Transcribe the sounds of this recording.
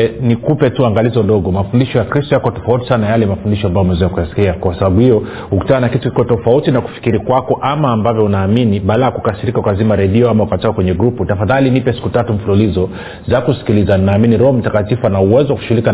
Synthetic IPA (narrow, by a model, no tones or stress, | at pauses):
nikupɛtuaŋɡalizɔɗɔɡɔmafundiʃɔjakɾistɔjakɔtɔfauti̥sanajalɛmafundiʃɔambajɔmɛzɛakujasi̥kiakɔkasaɓaɓuhijɔ | huku̥tananakitukikɔtɔfautinaku̥fi̥kiɾikwakɔʔamaːmbavjɔunaːminiɓalajakukasiɾikaukazimaɾɛɗiɔamaukatɔkːakwɛɲɛɡɾuputafaðalinipɛsi̥kutatumɱ̩fululizɔ | zakusi̥kilizaninaːminiɾɔhɔm̩takatifuanauwɛzɔwakuʃuulik